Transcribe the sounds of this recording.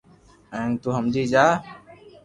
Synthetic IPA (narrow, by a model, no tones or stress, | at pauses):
ɛ̃ːnt̪uːɦəmd͡ʒiːd͡ʒaː